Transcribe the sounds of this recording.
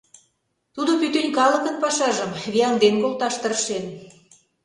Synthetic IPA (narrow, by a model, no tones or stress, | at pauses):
t̪ud̪opyt̪ønʲkɑlə̆kə̆npɑʃɑʒəmβiɑnd̪enkolˠt̪ɑʃt̪ərʃen